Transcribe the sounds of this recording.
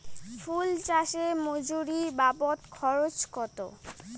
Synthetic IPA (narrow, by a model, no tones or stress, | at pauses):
fʰult͡ɕaʃemod͡ʑuɾibapot̪kʰɔɾot͡ɕkɔt̪o̰